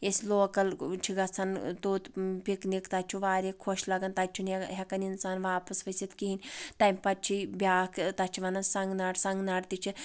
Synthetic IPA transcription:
esʲloːkɐlt͡ʃʰiɡɐt͡sʰant̪uːt̪pʲiknikt̪at͡ʃʰuʋaːɾʲekʰoʃlɐɡɐnt̪at͡ʃʰunɦʲɐkɐninsaːnʋaːpɐsʋɐsʲit̪kiɦinʲt̪ɐmʲpɐt̚t͡ʃʰibʲjaːkt̪ɐt͡ʃʰiʋɐnɐnsɐŋɡnaːɽsɐŋɡnaːʈt̪it͡ʃʰi

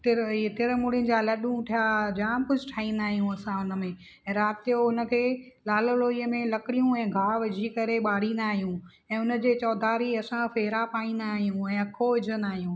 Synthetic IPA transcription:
t̪ɪɾt̪ɪɾmʊɽɪnɪ̆d͡ʑaːlɐɗũʈʰijad͡ʑaːmkʊd͡ʑʱɪʈʰaːĩnd̪aːɦijũɐsãʊnə̆mẽ | ɛ̃ːɾaːt̪ijoʊnə̆kʰeː | laːləloːiːəmẽlɐkɪɽijũɛ̃ːɡʱaːʋɐd͡ʑʱikɐɾeɓaːɽ̤ĩnd̪aːɦijũ | ɛ̃ːʊnə̆d͡ʑeːt͡ɕɔːd̪ʱaːɾiɐsãfeːɾapaːĩnd̪aːɦijũɛ̃ːɐkʰːoɪd͡ʑʱənaːɦijũː

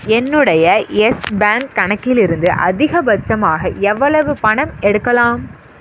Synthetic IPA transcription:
ɛnːɯɽɐjɐɛsbaːŋkːɐɳɐkːɪlɪɾɯnd̪ɯʔɐ̰ðɪɣɐbɐt͡ʃːɐmaːɣɐɛʋːɐɭɐʋɯpɐɳɐmɛɽɯkːɐlaːm

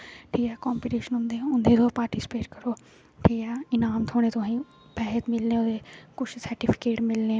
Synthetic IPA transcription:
ʈʰiːkɛːkɔ̃ːmpiːʈeːʃənʊ̃nd̪eːʊnd̪eːd̪oːpaːɾʈisɪ̥peːʈkəɾoː | ʈʰiːkɛːɪnaːmt̪ʰoːɽ̃ẽt̪ʊaĩ | bɛɦɛt̪mɪlnẽːʊd̪eːkʊt͡ʃʰsəɾʈipʰɪ̥keːʈmɪlnẽː

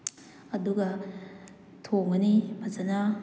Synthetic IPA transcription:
ɐduɡɐ | tʰoŋɡɐnibɐzɐnɐ

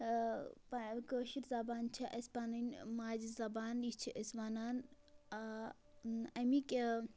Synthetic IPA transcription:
pakəʃiɾzɐbaːnt͡ʃʰiʔɐspanɐnʲmaːd͡ʒizɐbaːnit͡ʃʰiʔɐsbaːnaːn | a | ɐmikʲe

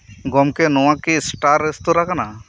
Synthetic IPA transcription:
ɡɔmkɛnɔwakisʈaɾest̪uɾakana

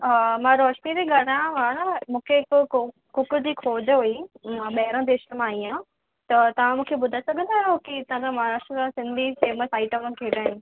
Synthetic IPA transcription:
mãɾɔːʃmiɾeɡaɽ̤ãʋãːnəmũːkʰeɪkʊ | kʊkd͡ʑiːkʰoːd͡ʑɦuimãɓɐɦɪɾə̃d̪eːʃəəmãːiã | t̪ɐt̪ɐʋ̤ãmũːkʰeɓʊd̪ʱasɐɡʱə̃nd̪aːɦjokiɪt̪ãd͡ʑãmaaːɾaːʃʈɾəkasɪ̃nd̪ʱiseːməsaːɪʈəm̃kʰeːɽaːɦĩ

